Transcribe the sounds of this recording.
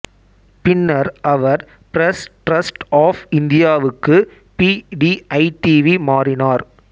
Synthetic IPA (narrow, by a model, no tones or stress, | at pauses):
pɪnːɐɾʔɐʋɐɾ | pɪɾɐsʈɾɐsʈaːfɪnd̪ɪjaːʋɯkːɯ | piɖiʔɐɪʈiʋimaːrɪnaːɾ